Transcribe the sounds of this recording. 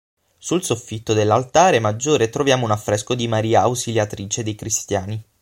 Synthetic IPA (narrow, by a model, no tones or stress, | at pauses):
sulsofːit̪ːod̪elːalt̪aːɾemad͡ʒːoːɾet̪ɾovjaːmounafːɾɛskod̪imaɾiːaːwsiljat̪ɾiːt͡ʃed̪ejkɾist̪jaːni